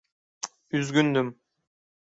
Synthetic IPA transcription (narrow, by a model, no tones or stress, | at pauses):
yzɡynd̪ym